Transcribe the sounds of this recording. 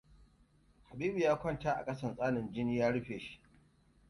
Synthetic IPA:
ha˨biː˦bu˨jaː˦kʷɐ˦nta˦ʔa̰˨kʼɐ˦sɐ˨nsʼaː˦nɪ˨nd͡ʒɪ˦niː˦jaː˦ɽʊ˦ɸeː˨ʃi̥˦ʔ

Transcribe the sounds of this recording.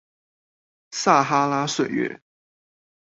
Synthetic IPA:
sa˥˩xa˥la˥swe˥˨˩ɪɥɛ̰˥˦

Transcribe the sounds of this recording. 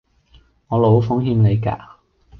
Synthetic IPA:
ŋɔː˨˧lo˨˥wfʊ˨˥ŋɦiː˧mne˨˧jka̰ː˧

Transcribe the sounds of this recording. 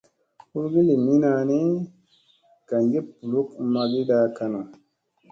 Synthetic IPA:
hu˦ɾɡi˦le˨mi˦na˧˨ne˦ | ka˨ŋɡe˦pu˨lu˦kma˧ɡi˦ɗa˧ka˧no˨

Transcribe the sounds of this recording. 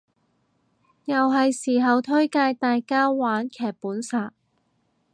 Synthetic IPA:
jɐ˨wɦɐ˨jsiː˨˩ɦɐ˨wt̪ʰɵ˥ɥkaː˧jt̪aː˨jkaː˥waː˨˥nkʰɛː˨˩k̚puː˨˥nsaː˨˩

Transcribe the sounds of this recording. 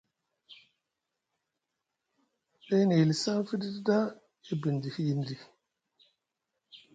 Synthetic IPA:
ɗe˦ne˨li˨sa˦fi˦di˦dda˦ | i˦bi˨ndi˨fi˦ji˦ndi˨

